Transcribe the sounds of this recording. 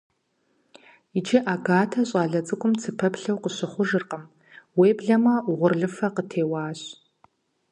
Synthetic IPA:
id͡ʒɪʔaːɡaːtʰɐɕʼɑːɮɐt͡sʼɨkʷʼʊmt͡sʰɨpʰɐpɬɐwqəɕɪχʷʊʒɨrqəm | weːbɮɐmɐʁʷʊrɮɨfɐqətʰeːwɑːɕʼ

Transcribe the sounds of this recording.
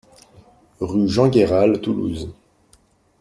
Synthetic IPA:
ʁyʒɑ̃ɡʲeʁalt̪ulṵz

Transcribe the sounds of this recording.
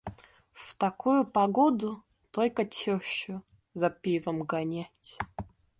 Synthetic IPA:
ft̪ɐkʰujupɐɡod̪ʊ | t̪olʲkɐtʲʰɪɕʊ | zɐpʲivɐmɡanʲatʲ

